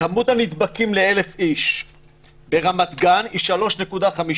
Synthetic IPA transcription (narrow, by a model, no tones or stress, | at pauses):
amudanid̪bakimleele̞fiʃ | be̞ʁamat̪ɡaniʃalo̞ʃne̞kudaχami